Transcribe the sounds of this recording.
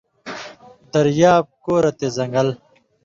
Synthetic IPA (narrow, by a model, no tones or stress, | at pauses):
d̪ɐɾjaːb̚koːɾɐt̪ezɐŋɡɐl